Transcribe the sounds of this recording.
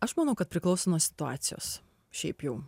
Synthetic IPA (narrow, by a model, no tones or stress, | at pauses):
ɐʃmɐnɐʊkɐt̪̚pʲɾʲɪklˠɐʊsʲonuːsʲɪ̥t̪ʊɑ̰ːt̪sʲɪjo̰ːs | ʃʲɛɪpjɛʊ